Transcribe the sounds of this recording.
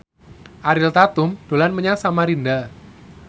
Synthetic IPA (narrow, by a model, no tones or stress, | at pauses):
ʔaɾɪlt̪at̪ʊmd̥o̤lanməɲasamaɾinda